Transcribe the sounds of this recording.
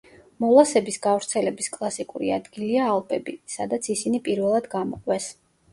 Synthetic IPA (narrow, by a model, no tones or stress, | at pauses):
mɔlˠasɛbisɡavɾt̪sʰɛlɛbiskʼlˠasikʼṵɾḭa̰d̪ɡiliaːlˠpʼɛbisad̪at̪sʰisinipʼiɾvɛlˠad̪ɡamɔ̰qʼwɛs